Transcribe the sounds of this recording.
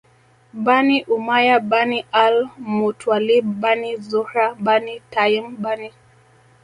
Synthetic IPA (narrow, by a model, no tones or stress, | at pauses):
baniʔumajabanialmutwalibanizɔɾabanitajimbani